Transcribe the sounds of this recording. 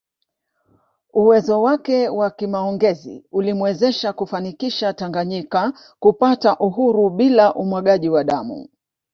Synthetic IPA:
uwɛzɔwakɛwakimaɔŋɡɛzḭulimwɛzɛʃakufanikiʃataŋɡaɲika | kupataʔuɦuɾuɓilaʔumwaɠaʄiwaɗamṵ

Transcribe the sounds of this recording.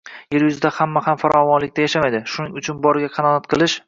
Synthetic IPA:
je̞ɾjʊzɪd̪ahamːahamfaɾʔɒvɒnlɪkʲt̪ajaʃamajd̪ɪʃʊnɪŋʊt͡ʃʰʊnbɒɾɪɡʲaqʰɑnɒnat̪qʰɨlˠɪʃ

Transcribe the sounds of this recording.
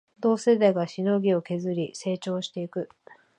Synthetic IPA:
d̪o̞ːse̞d̪aɡaɕino̞ɡʲio̞ke̞zɨɾʲise̞ːt͡ɕo̞ːɕi̥t̪e̞ikɯ̟

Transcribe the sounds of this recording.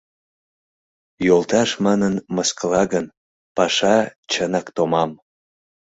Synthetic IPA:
jolt̪ɑʃmɑnənməskəlɑɣən | pɑʃɑt͡ɕənɑkt̪omɑm

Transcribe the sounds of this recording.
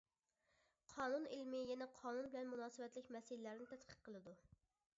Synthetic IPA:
qʰɑːnunilmɪjɛnɛqʰɑːnunbɪlɛnmunɑːsɨvɛt̪lɪkʲmɛsɨlɪlæɾnɪt̪ʰɛt̪qʰə̥q̚qːəlˠɨd̪u

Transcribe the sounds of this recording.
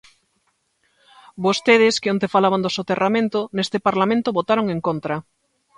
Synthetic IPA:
bost̪eð̞ɪskeont̪efalaβand̪osot̪eramẽnt̪onest̪epaɾlamẽnt̪oβot̪aɾoŋeŋkont̪ɾa

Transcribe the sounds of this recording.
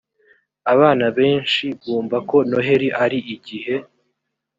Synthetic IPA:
aβaːnaβe̞ːnʃiɡuːmvako̞no̞ɦe̞ɾiʔaɾiʔiɟiɦe̞

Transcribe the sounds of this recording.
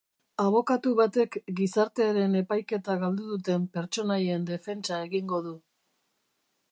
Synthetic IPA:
aβ̞o̞kat̪uβat̪e̞kɡisaɾt̪e̞aɾene̞pajke̞t̪aɣald̪uðut̪e̞mpe̞ɾt͡ʃo̞najend̪e̞fe̞nt͡ʃae̞ɣiŋɡo̞ðu

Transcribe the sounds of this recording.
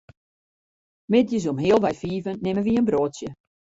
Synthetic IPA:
mɛt̚jəz̬umɦeːəlˠʋɛjfiːvənːɪməʋiənbroːtsjə

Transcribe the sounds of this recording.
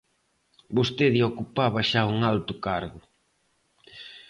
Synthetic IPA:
bost̪eðiokupaβɐʃauŋalt̪ʊkaɾɣʊ

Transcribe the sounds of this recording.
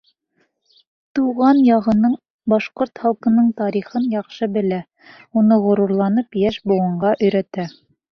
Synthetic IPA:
t̪uʁɑnjɑʁɤ̆nɤɴ | bɑʃqoɾt̪χɑlˠqɤ̆nɤɴt̪ɑɾiχɤnjɑqʃɤbɘ̆læ | unɤʁŏɾuɾlˠɑnɤpjæʃbuwɤ̆ɴɢɑʔɵ̆jɾæt̪æ

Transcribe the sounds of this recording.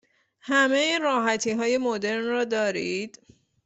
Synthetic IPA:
hæme̞iɾɒːɦæt̪ʰiːɦɒːje̞mod̪e̞ɾnrɒːd̪ɒːɾiːd̪̥

